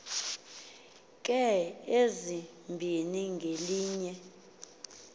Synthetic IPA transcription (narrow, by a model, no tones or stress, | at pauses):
kʼɛezi | mbʱiniŋɡʱeliːɲɛ